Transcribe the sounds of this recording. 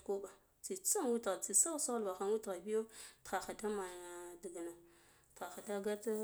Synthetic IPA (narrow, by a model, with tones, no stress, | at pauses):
ku˦ba˨ | t͡si˨t͡sa˦nwu˦tɣa˨t͡si˨sa˦sa˦a˦lba˨xa˦n˦wu˦tɣa˨bi˦jo˦txa˨xa˨da˦ma˨di˨ɡa˨na˨ | txa˨xa˨da˦ɡa˦t